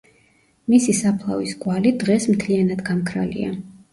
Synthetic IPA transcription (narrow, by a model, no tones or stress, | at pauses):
misisapʰlˠa̰visɡʼwalid̪ʁɛsmt̪ʰlianad̪ɡamkʰɾa̰lḭa̰